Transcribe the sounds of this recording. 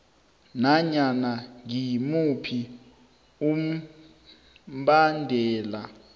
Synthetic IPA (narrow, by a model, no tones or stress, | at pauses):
naɲanaŋimupʰi | um̩ | ɓandʱɛːla